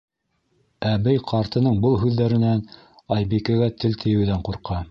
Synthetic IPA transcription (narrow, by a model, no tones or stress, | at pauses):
æbɘjqʰɑɾt̪ɤ̆nɤɴbɤlˠɦʉðːæɾɘ̆næn | ɑjbikæ̆ɡæt̪ɘlt̪ʰɘ̆jɘ̆wðæɴquɾqɑ